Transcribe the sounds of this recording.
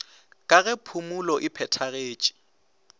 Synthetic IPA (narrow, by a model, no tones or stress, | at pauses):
kʼaɣɛpʰumulɔʔɪpʰɛtʰaɣeːt͡ʃʼi̥